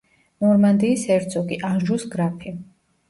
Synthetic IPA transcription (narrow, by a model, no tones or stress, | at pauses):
nɔɾmand̪iːsɛɾd̪sɔɡiʔanʒusɡɾapʰi